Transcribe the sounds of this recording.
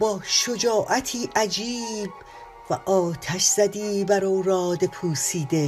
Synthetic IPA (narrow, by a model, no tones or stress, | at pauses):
bɒːʃo̞d͡ʒɒːʔæt̪ʰiːʔæd͡ʒiːb | væʔɒːt̪ʰæʃz̥æd̪iːbæɾowɾɒːd̪e̞pʰuːsiːd̪e